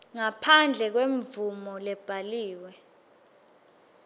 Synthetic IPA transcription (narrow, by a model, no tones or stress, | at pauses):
ŋapʰand͡ɮʱɛk̬weɱvumɔlɛb̥ʱaliːwɛ